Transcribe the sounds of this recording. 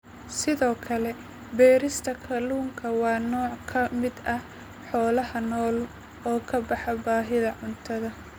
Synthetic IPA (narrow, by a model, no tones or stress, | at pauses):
sɪðɔːkʰɐlɛ | bɛːɾɪst̪ʰɐkʰɐluːŋkʰɐwɑːnɔːʕkʰɐmɪd̪ɐh | ħɔːlɐɦɐnɔːl | ɔːkʰɐbɑħɐbaːɦɪðɐʕʊnt̪ʰɐðɐ